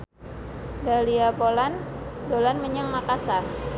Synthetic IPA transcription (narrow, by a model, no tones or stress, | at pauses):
daliabolandolanməɲaŋmakasar